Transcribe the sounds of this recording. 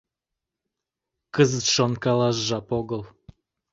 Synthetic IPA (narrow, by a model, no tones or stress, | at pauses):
kəzət̪ʃonkɑlˠɑʒʒɑpoɡɤ̆lˠ